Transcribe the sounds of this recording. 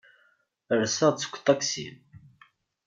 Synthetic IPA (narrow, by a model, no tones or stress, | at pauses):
əɾsæt͡sːə̥kʷːt̪ˤːɑksḭm